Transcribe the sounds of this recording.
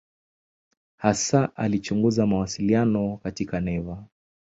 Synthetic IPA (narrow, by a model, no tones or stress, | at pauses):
hasaʔalit͡ʃuŋɡuzamawasilianɔkatikanɛva